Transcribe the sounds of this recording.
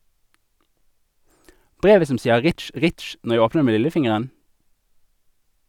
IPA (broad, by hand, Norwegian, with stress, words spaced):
ˈbʁeːʋə ˈsɔm ˈsiːə ˈʁɪtʃ ˈʁɪtʃ ˈnɔʁ ˈjæɪ ˈoːpnəʁ ˈeː ˈmeː ˈlɪləˌfɪŋəʁən